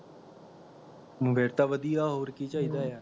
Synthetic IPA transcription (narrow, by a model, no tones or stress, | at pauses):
mbʱeːɾt̪aʋəd̪ijaːɦoːɾkit͡ʃaːid̪aːjaː